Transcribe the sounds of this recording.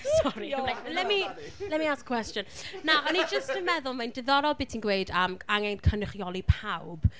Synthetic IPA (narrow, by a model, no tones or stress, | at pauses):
sɔɾilaklɛmilɛmiaːskkʰw̥ɛstjɔnnaʔɔnid͡ʒəstəmɛðʊlˠmandɪðɔɾɔlˠbitʰinɡweɨdəmaŋɛnkʰənɪχjɔlipʰawb̥